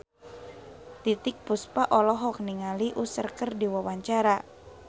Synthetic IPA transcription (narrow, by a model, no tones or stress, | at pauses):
t̪it̪ɪk̚puspaʔɔlɔɦɔk̚niŋaliʔusərkərdiwawaɲt͡ʃaɾa